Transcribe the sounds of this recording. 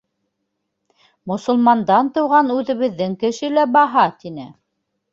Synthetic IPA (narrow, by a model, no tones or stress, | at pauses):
mŏsŏlˠmɑnd̪ɑnt̪ɤ̆wʁɑnʉðɘ̆βɘ̆ðːɘŋkɘ̆ʃɘlæbɑɦɑt̪inɘ